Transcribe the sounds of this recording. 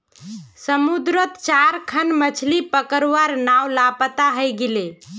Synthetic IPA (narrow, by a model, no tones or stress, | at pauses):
səmud̪ɾət̪t͡ʃaɾkʰənmət͡ʃʰlipəkəɾʋaɾnawlapət̪aɦəjɡele